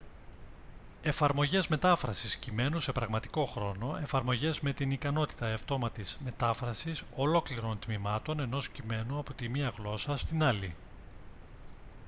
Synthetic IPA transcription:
e̞fɐɾmo̞ʝe̞zme̞t̪ɐfɾɐsiscime̞nuse̞pɾɐɣmɐt̪i̥ko̞xɾo̞no̞e̞fɐɾmo̞ʝe̞zme̞t̪inikɐno̞t̪i̥t̪ɐeft̪o̞mɐt̪izme̞t̪ɐfɾɐsiso̞lo̞kliɾo̞nt̪mimɐt̪o̞ne̞no̞scime̞nuɐpot̪imiɐɣlo̞sɐst̪inɐli

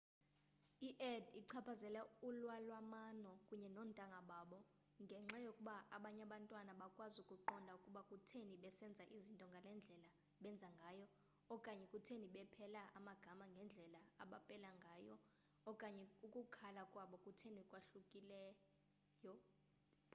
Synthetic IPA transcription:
iʔɛdiǀʰapʰazɛlɛulwalwamanɔkʼuɲɛnɔntʼaŋɡʱaɓaːɓɔ | ŋɡʱɛŋ͡ǁajokʼuɓaʔaɓaɲaɓantʼwanaɓakʼwazukʼuǃɔndʱaukʼuɓakʼutʰeniɓɛsɛnd͡zʱaʔizintʼɔŋɡʱalɛnd͡ɮʱɛla | ɓɛnd͡zʱaŋɡʱajɔ | ɔkʼaɲɛkʼutʰeniɓɛpʰɛlaʔamaɡ̥ʱamaŋɡʱɛnd͡ɮʱɛlaa̰ɓapʼɛlaŋɡʱaːjɔː | kʼaɲɛukʼukʰalakʼwaɓɔkʼutʰenikʼwaɬukʼilɛ | jɔ

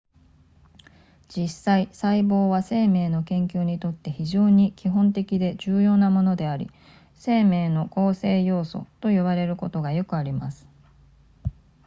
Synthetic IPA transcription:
d͡ʑisaisaibo̞ːβase̞ːme̞ːno̞kẽ̞ŋkʲɨːɲ̟it̪o̞t̪ːe̞çiʑo̞ːɲ̟ikʲiɦõ̞nt̪e̞kʲid̪e̞ʑɨːjo̞ːnamo̞no̞d̪e̞aɾʲḭ | se̞ːme̞ːno̞ko̞ːse̞ːjo̞ːso̞̰t̪o̞joβaɾe̞ɾɯ̟ko̞t̪o̞ɡajo̞kɯ̟aɾʲimasɨ̥

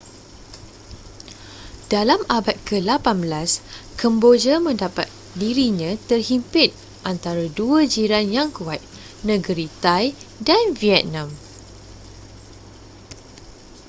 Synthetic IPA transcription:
d̥alamabat̪̚kəlapanbəlaskʰəmbod͡ʒəmə̃ndapa̰t̪̚ | diɾiɲãt̪ərhimpɪt̪̚ | ʔant̪aɾaduəd͡ʒiɾanjaŋkuat̪̚ | nə̃ɡəɾit̪ajdanviɛt̪̚nãm

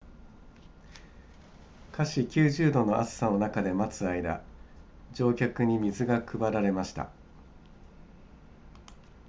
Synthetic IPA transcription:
kʰaɕikʲɨːʑɨːd̪o̞no̞ʔasɨ̥sano̞nakad̪e̞mat͡sɨaid̪a̰ | d͡ʑo̞ːkʲakɯ̟ɲ̟imʲizɨɡakɯ̟baɾaɾe̞maɕi̥t̪a̰

